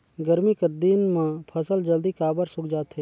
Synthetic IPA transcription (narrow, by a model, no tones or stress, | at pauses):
ɡəɾmikəɾd̪inmãːpʰəsəld͡ʒɐld̪ikaːbəɾsʊkd͡ʒaːt̪ɦeː